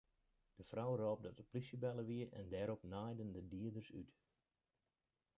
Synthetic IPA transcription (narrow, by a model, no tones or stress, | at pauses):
d̥əfrɔwroːp̚dɔtəplisəbɛlˠəʋiəʔɛ̰ndɛːɾɔpnajdəndədiədərsy̰t